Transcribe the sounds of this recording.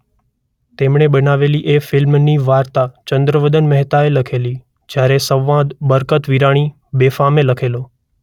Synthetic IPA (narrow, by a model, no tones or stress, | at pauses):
t̪eːmɳ̃eɓənaʋeliʔefɪlmniʋaːɾt̪at͡ʃə̃nd̪ɾəʋəd̪ənməɦt̪aeləkʰeli | d͡ʒjaːɾesə̃ʋːãd̪bəɾkət̪ʋiɾaɽ̃i | beːfameləkʰeloː